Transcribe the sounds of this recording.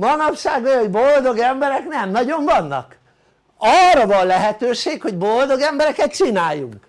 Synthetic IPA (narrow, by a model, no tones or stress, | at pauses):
mɒnɒpʃaːɡojoɟbo̞ld̪o̞ɡɛmbɛɾɛknɛmnɒɟo̞ɱvɒnːɒ̰k | ɒrːɒvɒnlɛɦɛt̪øːʃeːkho̞ɟbo̞ld̪o̞ɡɛmbɛɾɛkɛt̪̚t͡ʃinaːjːṵŋk